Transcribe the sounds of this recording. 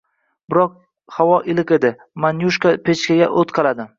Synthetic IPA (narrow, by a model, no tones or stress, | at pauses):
bɪɾɒq̚ | hawɒʔɪlɪqe̞d̪ɪ | manjuʃkapʰet͡ʃkʲaɡʲa̰ʔot̪qʰɑlad̪ɪ